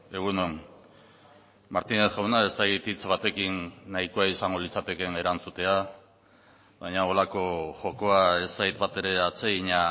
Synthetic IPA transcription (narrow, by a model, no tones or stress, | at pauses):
e̞ɣ̞unon | maɾt̪ine̞sʝawnae̞st̪akit̪it͡sβat̪e̞kinːaikoaisaŋɡo̞lit͡sat̪e̞ke̞ne̞ɾant͡sut̪e̞a | βajɲao̞lako̞ʝo̞ko̞ae̞st̪ait̪bat̪e̞ɾe̞at͡se̞ɣiɲa